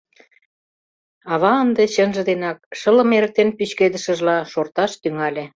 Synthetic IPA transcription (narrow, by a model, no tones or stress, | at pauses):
ɑβɑənd̪eɕənʒə̆d̪enɑk̚ʃə̆lə̆meɾə̆k̚t̪enpyt͡ɕked̪ə̆ʃə̆ʒlɑʃort̪ɑʃt̪yŋɑlʲe